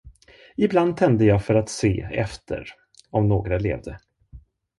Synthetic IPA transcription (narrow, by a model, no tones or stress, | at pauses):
ɪbland̪̚t̪ʰɛnd̪əjɑːɡfœɾat̪sḛːɛ̰ft̪ʰə̰ɾ | ɔmnoːɡɾalḛːvd̪ə